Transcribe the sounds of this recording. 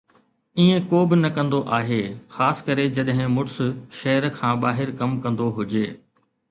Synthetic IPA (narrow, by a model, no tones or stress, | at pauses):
iːẽkoːbɪnɐkɐ̃nd̪oʔaːɦeːxaːsɪ̥kɐɾed͡ʑɐɗɦɪ̃mʊʈsʃɐɦəɾkʰãːɓaːɦɪɾkɐmkɐ̃nd̪oɦʊd͡ʑeː